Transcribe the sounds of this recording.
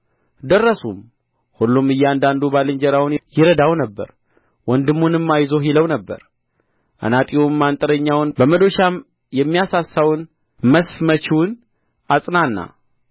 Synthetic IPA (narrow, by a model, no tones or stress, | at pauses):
d̪ərːəsum | hulːumɨjːɛand̪and̪ubalɨɲd͡ʒəɾawʊnjɪɾəd̪awnəbːə̰ɾ | wɔnd̪ɨmːunɨmːajzo̞ɦiləwnəbːə̰ɾ | ʔa̰nat̪ʼiwumːant̪ʼəɾəɲːawnbəməd̪o̞ʃa | jɛmːijasasːawɨn | məsfmət͡ʃiwn | ʔasʼnanːa̰